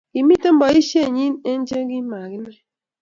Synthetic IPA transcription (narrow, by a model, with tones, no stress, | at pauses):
ki˨mi˦tə˦m˦bɔ˨i˦ʃje˦˨ɲi˦ne˦n̩˦d͡ʒe˦ɡi˦ma˨ɡi˦ne˦